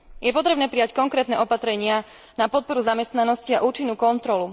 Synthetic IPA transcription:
jɛpɔt̪ɾɛbnɛːpɾijackɔŋkɾɛːt̪nɛʔɔpat̪ɾɛɲɪa | napɔt̪̚pɔɾuzamɛst̪nanɔsciaʔuːt͡ʃinːuːkɔnt̪ɾɔlu

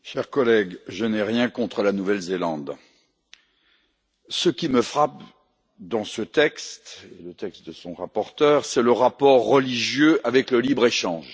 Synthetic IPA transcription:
ʃɛʁkɔlɛɡʒənɛʁjɛ̃kɔ̃t̪χəlanuvɛlzelɑ̃d̪ | səkʲiməfχap | d̪ɑ̃sət̪ɛkst̪elət̪ɛkst̪̚d̪əsɔ̃ʁapɔʁt̪œʁsɛləʁapɔʁːəliʒjøʔavɛkləlibʁeʃɑ̃ʒ

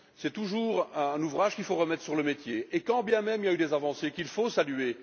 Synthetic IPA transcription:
sɛt̪uʒuːʁɛ̃nuvʁaʒkʲilfoʁəmɛt̪χəsyʁləmet̪jeekɑ̃bjɛ̃mɛmiljayd̪ezavɑ̃sekilfosalye

